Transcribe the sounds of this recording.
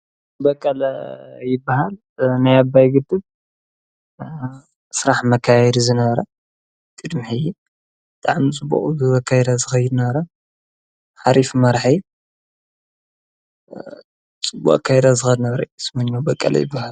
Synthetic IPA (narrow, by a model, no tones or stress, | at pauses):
bɐkʼːɐljɪbːaɦal | najabːajɡɨd̪ɨb | sɨɾaħmɐkʰːajɛd̪izɨnɐβɐɾɐ | t̪ʼɨd̪mħiju | bɨt̪ʼaʕmit͡sʼɨbːṵχʼzɨβɐkʰːajd̪azɨxɐjɪd̪nɐβɐɾɐ | ħaɾifmɐɾħaj | t͡sʼɨbːṵʔʼkʰajd̪azɨxɐd̪nɐβɐɾɐsmɐɲːobɐkʼːɐ̰lɐ̰jɪ̰bːahal